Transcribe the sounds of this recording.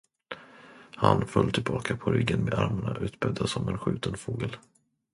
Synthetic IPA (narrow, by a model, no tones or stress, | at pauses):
hanfɵlːt̪ʰɪlbɑːkʰapʰɔɾʏɡːənmeːd̪aɾmaɳaʔʉ̟ːt̪bɛd̪asɔmɛnɧʉ̟ːt̪ənfoːɡəl